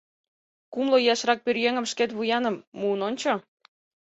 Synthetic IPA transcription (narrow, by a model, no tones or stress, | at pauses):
kumlojɑʃrɑk̚pørjeŋə̆mʃket̪βujɑnə̆mːuːnonʲt͡ɕo